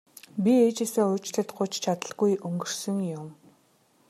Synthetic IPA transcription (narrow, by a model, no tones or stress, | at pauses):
pʲieːt͡ɕĕɮsĕːŋʊt͡ɕɮɘ̆t̪ɢʊt͡ɕt͡ɕʰat̪ə̆ɮɡujʔɵŋɡɵ̆r̥sɵ̆ŋjʊm